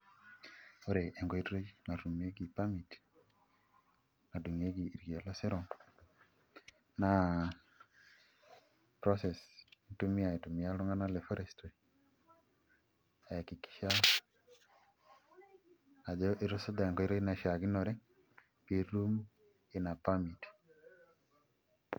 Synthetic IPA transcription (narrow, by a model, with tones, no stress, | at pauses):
o˦ɾe˨ʔɛ˨ŋɡɔ˨i˦tɾo˦na˨ɾu˨me˦ɡi˨pa˦mi˨t | na˨du˨ŋe˦ɡiː˨ɾɡi˨a˨lɔ˦sɛ˦ɾɔ˨ŋ | na˨ | pɾɔ˦sɛ˨stu˦mɪ˦a˨e˨tu˨mɪ˨a˦ɾɔ˦ŋa˦na˦lɛ˨fɔ˦ɾɛ˨stɾe˨ | a˨ki˨ki̥˨ʃa˦ | a˨d͡ʒɔ˦ʔi˦ɾɔ˦sɔ˦d̪a˨ŋkɔ˨i˦ɾɔ˦i˦na˨ʃa˨ɡɪ˦nɔ˨ɾɛ˦ | pi˨ɾu˦m | ɪ˨na˨pa˦mi˨t